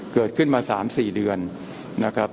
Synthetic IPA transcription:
kɤː˨˩t̪̚kʰɯ˥˩nmaː˧saː˩˦msiː˨˩dɯ˧ənː | a˦˥kʰɾa˦˥p̚

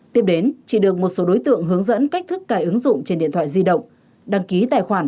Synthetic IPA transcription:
t̪i˧˥əp̚ɗe˨˦nt͡ɕi˧˩ɗɨ˨˩ək̚mo˨˩t̚so˨˦ɗo˨˦jt̪ɨ̰˧˨əŋɦɨ˨˦əŋzə̰˧˥nka˦˥k̚t̪ʰɨ˦˥kːaː˧˩jʔɨ˨˦ŋzʊ̰˧˨ŋ͡mt͡ɕe˧nɗḭ˧ənt̪ʰwa̰ː˧˨zi˧ɗə̰˧˨wŋ͡m | ɗa˧˩ŋki˨˦t̪aː˧˩jxwaː˧˩n

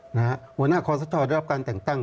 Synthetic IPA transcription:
na˧a˦˥hu˧˩ənaː˥˩kʰɔː˧˥sa˧˦˥t̪ʰːɔː˧nda˥˩˦a˦˥pkaː˧nt̪ɛː˨˩ŋt̪a˥˩ŋ

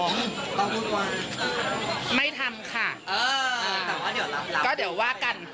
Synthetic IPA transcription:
t̪ɔː˥˩ŋmɯː˧˥˩waː˧ | ma˥˩jt̪ʰa˧mkʰa˥˩ʔɤː˧˨˩kɔː˥˩di˩˦t̪a˦˧˥la˧˦kɔː˥˩di˨˩˦waː˥˩ka˧˩n

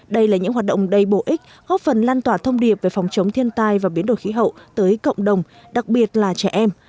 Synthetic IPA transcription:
ɗə˧jlaː˨˩ɲɨ̰˧˥ŋɦwaː˨˩ɗə̰˧˨ŋ͡mɗə˨˩jɓo˧˩ʔï˦˥k̟̚ | ɣɔ˦˥p̚fə˨˩nlaː˧nt̪waː˧˩t̪ʰə˧wŋ͡mɗi˨˩əp̚ve˨˩fɔ˨˩wŋ͡mt͡ɕə˨˦wŋ͡mt̪ʰi˧ənt̪aː˧jvaː˨˩wɓi˨˦nɗo̰˧˩jxi˨˦ɦə̰˧˨wt̪əː˨˦jkə̰˧˨wŋ͡mɗə˨˩wŋ͡m | ɗa˨˩k̚ɓi˨˩ət̚laː˨˩t͡ɕɛ˧˩ʔɛ˧m

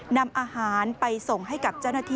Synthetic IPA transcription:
na˧mʔaː˧haː˩˦npa˧jso˨˩ŋɦa˥˩jka˨˩p̚t͡ɕa˥˩wnaː˥t̪ʰiː˥

